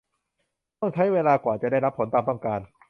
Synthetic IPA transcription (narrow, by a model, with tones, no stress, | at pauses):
t̪ɔ˥˩ŋt͡ɕʰa˦˥jweː˧laː˧kwaː˨˩nt͡ɕa˨˩da˥˩jɾa˦˥pʰːo˩˦nt̪aː˧mt̪ɔ˥˩ŋkaː˧n